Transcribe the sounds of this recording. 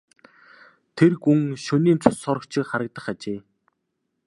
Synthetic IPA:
t̪ʰerkuŋʃɵniːnt͡sʰʊsɔɾɞ̆kt͡ɕʰɪ̆kχaɾə̆k̚t̪ə̆χat͡ɕeː

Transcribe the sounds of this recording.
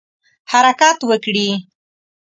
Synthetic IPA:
haɾakat̪wəkɽi

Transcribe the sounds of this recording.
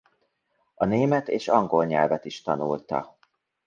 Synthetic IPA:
ɒneːmɛt̪eːʃɒŋɡo̞lɲɛlvɛt̪iʃt̪ɒnult̪ɒ̰

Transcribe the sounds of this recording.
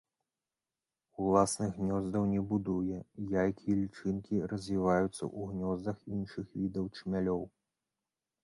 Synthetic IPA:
ulˠasnɨɣɣnʲɔzd̪ɐwnʲɛbud̪ujɛjajkʲijɛlʲit͡ʂɨnkʲirɐzʲvʲivajut̪sːɐ̰ʔuɣnʲɔzd̪ɐxinʂɨxvʲid̪ɐwt͡ʂmʲalʲɔw

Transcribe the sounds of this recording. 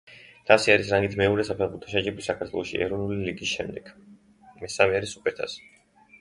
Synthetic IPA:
d̪̥ʰasiaɾisɾaŋɡit̪ʰmɛɔɾɛsapʰɛʁbuɾt̪ʰɔʃad͡ʒɛbisakʰaɾt̪ʰwɔlˠɔʃḭʔɛ̰ɾɔnuliliɡisʃɛmd̪ɛkʰ | mɛsamɛaɾisupʼɛt̪ʰa̰s

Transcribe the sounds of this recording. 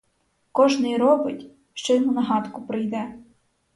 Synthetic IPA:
kɔʒnɪjɾɔbɪtʲ | ʃt͡ʃɛmunɐɦɑt̪kʊpɾɪjd̪ɛ

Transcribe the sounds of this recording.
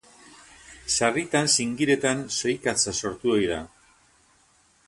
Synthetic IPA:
sarit̪ansiŋɡiɾe̞t̪anso̞jkat͡saso̞ɾt̪uo̞jða

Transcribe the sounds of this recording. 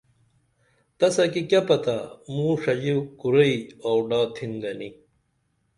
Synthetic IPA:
t̪ɐsɐkikɐpɐt̪amũʂɐd͡ʑiwkuɾɐiawɖaːt̪ʰinɡɐni

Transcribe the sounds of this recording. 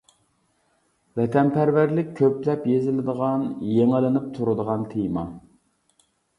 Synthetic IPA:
vɛt̪ʰɛnpæɾvæɾlɪk̚ʲʰːøplɛpjezɪlɪd̪əʁɑnjeŋɪlɪnɪp̚t̪ʰuɾɨd̪əʁɑnt̪ʰemɑ

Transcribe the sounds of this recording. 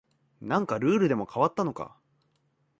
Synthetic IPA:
nãŋkaɾɯ̟ːɾɯ̟d̪e̞mo̞kʰaβat̪ːano̞ka̰

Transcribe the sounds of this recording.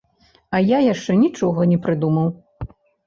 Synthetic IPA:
ɐjajaʂt͡ʂɛnʲit͡ʂɔɣɐnʲɛpɾɨd̪umɐw

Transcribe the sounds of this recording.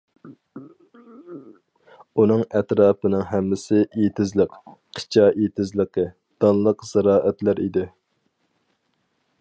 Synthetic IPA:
unɨŋɛt̪ɾɑːpɨnɨŋɦɛmːɪsɪʔet̪ʰɪzləqqʰə̥t͡ʃʰɑʔet̪ʰɪzlˠəqʰə | d̪̥ɑnlˠəqz̥ɛɾɑːʔɛt̪læɾḭd̪ɪ

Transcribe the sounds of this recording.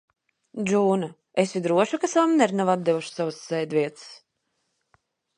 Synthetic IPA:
d͡ʒuːna | esvʲid̪ɾuɔʃukasavamnɛɾnavab̪̚d̪ɛvuʃsavasːɛjd̪vʲiɛt̪ɨ̥s

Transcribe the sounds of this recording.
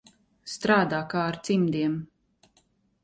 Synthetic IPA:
st̪ɾaːd̪aːkaːɾt̪simd̪iɛm

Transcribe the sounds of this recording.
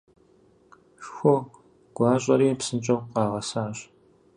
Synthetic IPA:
ʃxʷʊ | ɡ̥ʷɑːɕʼɐɾiːpsɨnt͡ʃʼɐwqɑːʁɐsaːɕ

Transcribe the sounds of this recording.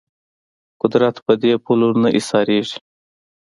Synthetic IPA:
kʊd̪ɾat̪pəd̪epulunaʔisɑːɾeʐi̥

